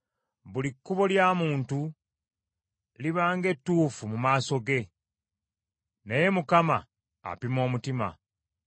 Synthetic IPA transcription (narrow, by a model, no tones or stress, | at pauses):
βulikːuβo̞ljaːmuːntu | liβaːŋɡe̞tːuːfumumaːso̞ɡe̞ | naje̞mukama̰ː | pimo̞ːmutima̰